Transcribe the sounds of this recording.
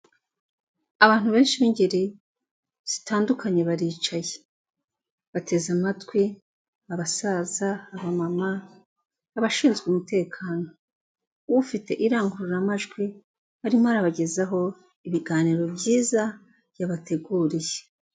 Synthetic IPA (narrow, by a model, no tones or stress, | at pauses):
aβaːn̥huβe̞ːnʃiβiɲɟeɾi | z̥i̥taːndukʰaɲe̞βaɾiːt͡ʃaje | βatʰe̞zamatɡwi | aβasaːzaːβamamaː | βaʃiːnzɡumute̞ːkʰaːno̞ | βufite̞ʔiɾaːŋɡuɾuɾamaʒɡwi | haɾimohaɾaβaɟe̞zaɦo̞ | iβiɡaːniɾo̞bjiːza | jaβatʰe̞ɡuːɾije